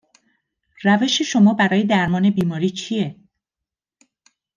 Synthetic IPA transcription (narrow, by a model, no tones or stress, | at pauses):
ræve̞ʃe̞ʃo̞mɒːbæɾɒːjed̪æɾmɒːne̞biːmɒːɾiːt͡ʃʰije̞